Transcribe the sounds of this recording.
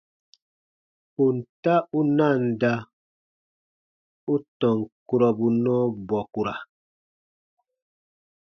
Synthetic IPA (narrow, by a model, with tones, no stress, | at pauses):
u˨n̩˨ta˦u˦na˦˨n˨da˦ | u˦tɔ˨ŋku˨ɾɔ˨bu˨nɔː˦bɔ˨ku˨ɾa˨